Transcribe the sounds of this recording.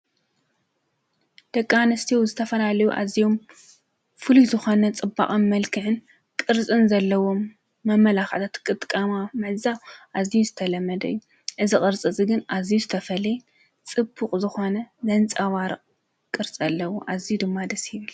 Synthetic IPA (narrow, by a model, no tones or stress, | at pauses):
d̪̥ɐkʼːanɨst̪ʰiwzɨt̪ʰɐfɐlalɐjuʔa̰zijo̞m | fɨlizɨxo̞nɐt͡sʼɨbːa̰χʼɨnmɐlkʰɨħɨn | kʼɨɾt͡sʼɨnzɐlːɐwo̞mː | ɐmːɐlaxʕt̪ʰat̪kʼɨt̪ʼkʼɐmamɨʕzawʔazijuzɨt̪ʰɐlɐmːɐd̪ɐijːu | ʔɨzikʼɨɾt͡sʼɨt͡sʼiɡɨnʔazijuzɨt̪ʰɐfɐlje | t͡sʼɨbːuχʼzɨxo̞nɐzɐnt͡sʼɐwaɾɨqʼ | kʼɨɾt͡sʼɐlːɐwuʔazijud̪ɨmːad̪ɐsjɪβɨl